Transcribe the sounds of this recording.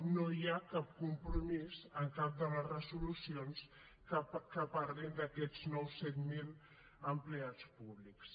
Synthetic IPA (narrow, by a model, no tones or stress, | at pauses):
nojakap̚kumpɾumizəŋkap̚d̪ələzrəzulusions | kəpaɾlind̪əkɛd͡znɔwsɛt̪mil | əmpleat͡spuβliks